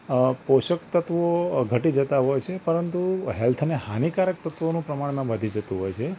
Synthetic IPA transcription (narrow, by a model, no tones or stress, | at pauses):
poʃəkt̪ət̪ʋoɡʱəʈid͡ʒət̪aɦɔjt͡ʃʰepəɾənt̪uɦelt̪ʰnehanikaɾək̚t̪ət̪ʋonũpɾəmaɳ̃mãʋəd̪ʱid͡ʒət̪ũɦɔjt͡ʃʰe